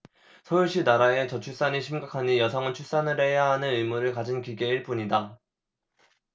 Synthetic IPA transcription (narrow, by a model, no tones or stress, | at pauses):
sʰʌuɭɕ͈ʰinaɾae̞t͡ɕʌt͡ɕʰuɭs͈aɲiɕʰimɡakʰaɲijʌsʰaŋɯnt͡ɕʰuɭs͈anɯɭhe̞jaɦanɯnɯimuɾɯɭkad͡ʑinkiɡe̞iɭp͈uɲida